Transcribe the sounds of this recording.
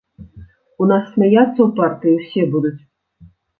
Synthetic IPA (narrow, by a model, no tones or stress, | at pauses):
unasːʲmʲajat̪sːɐwpart̪ɨjiwsʲɛbud̪ut͡sʲ